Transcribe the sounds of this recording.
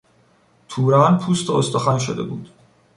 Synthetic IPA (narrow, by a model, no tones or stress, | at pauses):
t̪ʰuːɾænpʰuːst̪ʰoost̪ɒxænʃod̪e̞̰bṵːd̪̥